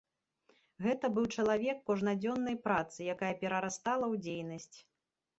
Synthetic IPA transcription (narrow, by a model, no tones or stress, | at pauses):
ɣɛt̪ɐbɨwt͡ʂɐlˠavʲɛkːɔʐnad͡zʲɔnːɐjpɾat̪sɨjakajɐpʲɛɾɐɾast̪alˠɐwd͡zʲejnɐsʲt͡sʲ